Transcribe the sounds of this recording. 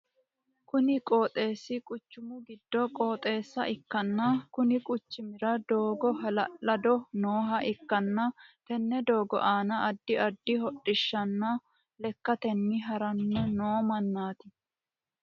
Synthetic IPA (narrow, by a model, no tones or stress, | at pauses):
kʊnɪkʼo̞ːt̪ʼe̞ːsːɪkʼʊt͡ʃːʊmʊɡɪd̪ːɔkʼo̞ːt̪ʼe̞ːsːɐʔɪkːɐnːɐkʊnɪkʼʊt͡ʃːɪmɪɾɐd̪o̞ːɡɔɦɐlɐɐd̪ɔnoːɦɐʔɪkːɐnːɐt̪ɛnːɛd̪oːɡɔ̰ʔaːnɐɐd̪ːɪɐd̪ːɪɦɔɗɪʃːɐnːɐ | lɛkːɐt̪ɛnːɪɦɐɾɐnːɛnoːmɐnːaːt̪ɪ